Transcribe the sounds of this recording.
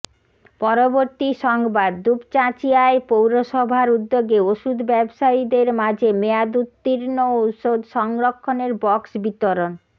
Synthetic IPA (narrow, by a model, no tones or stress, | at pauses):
pɔɾoboɾt̪iʃɔŋbad̪ːupt͡ɕat͡ɕiaepowɾoʃɔbʱaɾud̪ːoɡeoʃud̪bɛbʃaid̪eɾmãd͡ʑʱemead̪ut̪ːiɾnoʃod̪ʃɔŋɾokʰːoneɾbɔksbit̪oɾon